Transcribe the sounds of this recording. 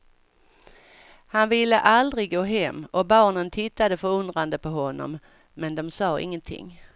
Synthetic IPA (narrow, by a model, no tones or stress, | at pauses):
hanvɪlːə̰ʔald̪ɾɪɡɡːoːɦɛmːɔbɑːɳənt̪ʰɪt̪ːad̪əfœɾɵnd̪ɾand̪əpʰɔɦɔnːɔ̰m | mɛnd̪ɔmsɑːɪ̰ŋːənt̪ʰɪ̰ŋː